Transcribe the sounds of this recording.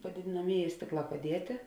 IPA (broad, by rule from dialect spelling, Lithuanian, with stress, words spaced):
pɐdʲeːdʲeːnɐˈmʲeːˌjɛː ˈsʲtʲeːkˌlˠɑː pɐˈdʲiɛtʲeː